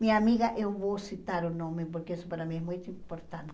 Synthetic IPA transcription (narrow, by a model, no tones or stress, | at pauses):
mĩɲɐamiɣɐʔewvowsit̪aɾʊnõmɪpoɾkeesʊ̥paɾamĩɛmũjt̪ʊimpoɾt̪ãnt̪